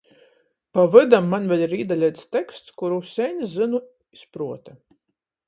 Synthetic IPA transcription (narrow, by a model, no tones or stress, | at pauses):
pavɨd̪amːanvʲɛlʲiɾiːd̪alʲɛjt̪st̪ɛkst̪skuɾusʲɛnʲszɨnu | ispɾuɔt̪ɛ